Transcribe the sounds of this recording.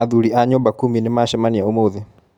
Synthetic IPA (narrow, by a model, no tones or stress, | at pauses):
aðuɾiʔaɲɔbakuminemaʃɛmaniaomoðe